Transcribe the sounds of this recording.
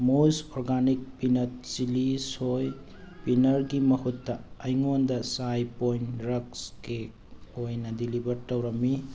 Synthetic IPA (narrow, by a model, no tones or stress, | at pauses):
mosoɾɡanik̚pinɐt̚t͡ʃilisoj | pinɐɾɡimɐhutːɐɐjŋondɐsajpojnɾɐkske | ojnɐdilibɐɾtɐwɾɐmi